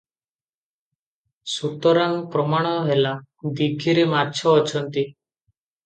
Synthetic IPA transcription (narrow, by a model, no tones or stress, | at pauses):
sut̪ɔɾaŋpɾɔmaɽ̃ɔɦela | d̪ikʰiɾimaɾt͡ʃʰɔːt͡ʃʰɔnt̪i